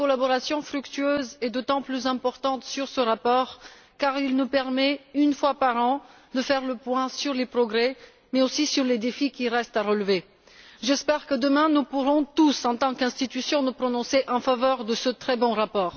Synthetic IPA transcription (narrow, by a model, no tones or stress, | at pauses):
kɔlabɔʁasjɔ̃fχykt̪yøzɛd̪ot̪ɑ̃plyzɛ̃pɔʁt̪ɑ̃t̪syʁsəʁapɔːʁ | kaʁilnupɛʁmɛynfwapaʁɑ̃ | d̪əfɛʁləpwɛ̃syʁlepχɔɡʁɛ | mɛosisyʁled̪efikʲiʁɛst̪aʁəlve | ʒɛspɛʁkəd̪əmɛ̃nupuʁɔ̃t̪usɑ̃t̪ɑ̃kɛ̃st̪it̪ysjɔ̃nupχɔnɔ̃seʔɑ̃favœʁd̪əsət̪χɛbɔ̃ʁapɔːʁ